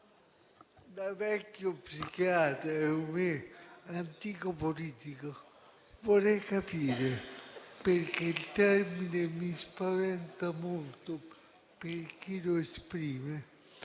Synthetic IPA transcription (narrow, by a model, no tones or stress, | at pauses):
d̪avɛkːjopsikjaːt̪ɾaɛumeant̪iːkopoliːt̪ika | vorɛjkapiːɾeperkeilt̪ɛrminemispavɛnt̪amolt̪o | perk̟iloespɾiːme